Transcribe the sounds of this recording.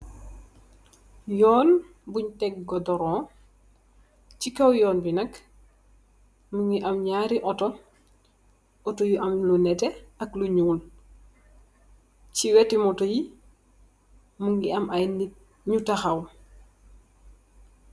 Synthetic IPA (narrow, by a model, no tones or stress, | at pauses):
jɔːn | buɲtɛk̚ɡɔdɔɾɔ | cikɐwjɔːnbinɐk | muŋɡiʔɐmɲaːɾiʔɔtɔ | ɔtɔjuʔɐmlunɛtɛɐkluɲuːl | ciwɛtimɔtoji | muŋɡiɐmajni | ɲutɐxɐw